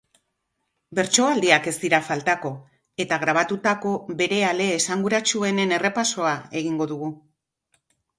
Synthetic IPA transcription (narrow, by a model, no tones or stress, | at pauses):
be̞ɾt͡ʃo̞ald̪iake̞st̪iɾafalt̪ako̞ | e̞t̪aɣɾaβ̞at̪ut̪ako̞βe̞ɾe̞ale̞ːsaŋɡuɾat͡ʃue̞ne̞ne̞re̞paso̞ae̞ɣ̞iŋɡo̞ðuɣu